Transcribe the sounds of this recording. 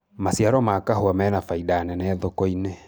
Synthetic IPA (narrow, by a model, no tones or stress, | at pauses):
masiaɾɔmakaɦoamɛːnafaidanɛnɛðokɔine